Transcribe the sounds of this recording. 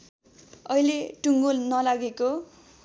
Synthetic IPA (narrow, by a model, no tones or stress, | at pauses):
ʌjleʈuŋɡolnʌlaɡeko